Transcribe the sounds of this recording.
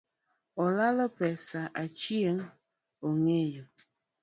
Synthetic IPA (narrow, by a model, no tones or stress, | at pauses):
ɔlaləpɛsaʔat͡ʃieŋ | oŋejo